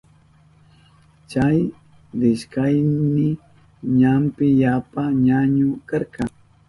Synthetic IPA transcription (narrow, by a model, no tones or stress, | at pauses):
t͡ʃaj | ɾɪʃkajmɪ | ɲampɪjapaɲaɲʊkaɾqɑŋ